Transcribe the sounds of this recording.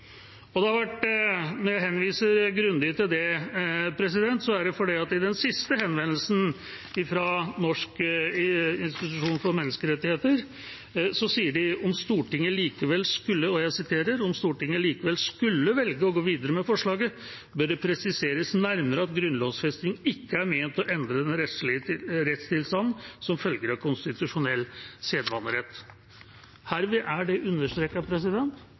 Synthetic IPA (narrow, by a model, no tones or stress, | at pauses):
ɔd̪ɛhɑɾʋæʈnɔɾjæɪɦɛnːʋiːsəɾɡɾʉnd̪ɪt̪ɪld̪ɛpʰɾɛs̬ɪd̪ɛnt̪sɔæɖɛfɔɖɛɪɑt̪ɪd̪ɛnsɪst̪əɦɛnʋɛnəlsn̩ | ɪfɾɑnɔʂk | ɪnst̪ɪt̪ʉʂuːnfɔɾmɛnːəskəɾɛt̪ːɪheːt̪əɾ | sɔsiːəɖɪɔmst̪uːʈɪŋːəliːkəʋɛlskʉlːəɔjæɪsɪt̪ʰeːɾəɾɔmst̪uːʈɪŋːəliːkəʋɛlskʉlːəʋɛlɡəɔɡoːʋiːd̪əɾəmɛfɔʂɭɑːɡə | bœɖɛpʰɾɛsɪseːɾəsnæɾməɾəɑt̪ɡɾʉnloːʋsfɛst̪ɪŋɪkːəæɾmenət̪ɔʔɛnd̪ɾəd̪ɛnɾɛt̪lɪəɾɛt̪st̪ɪlst̪ɑnn̩sɔmfœlɡəɾɑkʰʊnst̪ɪt̪ʉʂʊnɛlseːd̪ʋɑnːəɾɛt̪ː | hæːɾʋɪʔæɖɛʔʉnːəʂʈ̪ɾeːkːəpʰɾɛs̬ɪd̪ɛnt̪